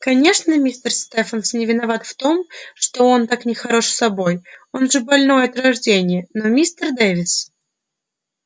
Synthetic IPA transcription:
kɐnʲe̞ʂnəmʲisʲt̪ərst̪ɛfənsnʲɪvʲɪnɐvat̪ft̪o̞mʂt̪o̞o̞nt̪aknʲɪxɐɾo̞ʂsɐbo̞jo̞nʐɨbɐlʲnojəɐt̪ɾɐʐdʲenʲɪjənomʲist̪ərd̪evʲɪs

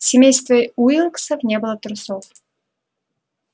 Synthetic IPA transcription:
sʲɪmʲejst̪vəjujilˠksəfnʲebɨlˠət̪ɾʊsof

